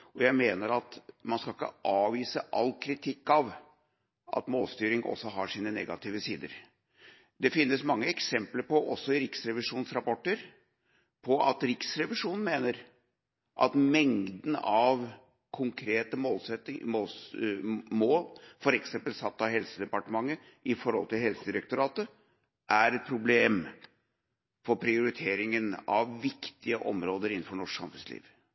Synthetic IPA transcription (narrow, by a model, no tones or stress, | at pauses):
ɔjæɪmeːnəɾɑt̪mɑnskɑlɪkːə̰ʔɑːʋiːsəʔɑ̰lːkʰɾɪt̪ʰɪkːɑʋ | ʔɑ̰t̪moːlst̪yːɾɪŋʔɔ̰sːɔɦɑʂiːnənɛ̰ɡɑ̰t̪ʰiːʋəsiːd̪ə̰ɾ | d̪ɛfɪnːəsmɑŋːəɛksɛmpləɾpɔʔɔsːɔɪɾɪksɾɛʋɪʂuːnsɾɑpɔʈːəɾ | pʰɔʔɑ̰t̪ɾɪksɾɛʋɪʂuːnn̩meːnəɾ | ʔɑ̰t̪mɛŋd̪n̩ɑʋ | kʰʊŋkʰɾeːt̪əmoːlsɛt̪moːls | moːlfɔɾɛksɛmpəlsɑt̪ːɑhɛlsəd̪ɛpɑʈəmɑŋːə | ʔɪfɔɾhɔ̰lt̪ʰɪlɦɛlsəd̪ɪɾɛk̚t̪ʊɾɑːt̪ə | ʔæɾɛt̪̚pʰɾʊbleːm | fɔɾpʰɾɪʊɾɪt̪ʰeːɾɪŋənɑ̰ʋːɪkt̪ɪəʔɔmɾoːd̪əɾɪnn̩fɔɳɔʂksɑ̰mfʉnslḭːʋ